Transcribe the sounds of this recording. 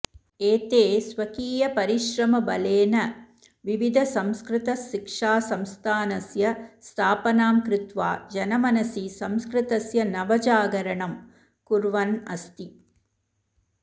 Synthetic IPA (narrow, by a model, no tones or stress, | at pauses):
eːt̪eːsʋɐkiːjɐpɐɾɪʃɾɐmɐbɐleːnɐ | ʋiʋid̪ʱɐsɐmskɾɪt̪ɐsikʂaːsɐmst̪ʰaːnɐsjɐst̪ʰaːpɐnaːmkɾɪt̪ʋa̰ːd͡ʒɐnɐmɐnɐsisɐmskɾɪt̪ɐsjɐnɐʋɐd͡ʒaːɡɐɾɐɳɐm | kuɾʋɐnɐst̪i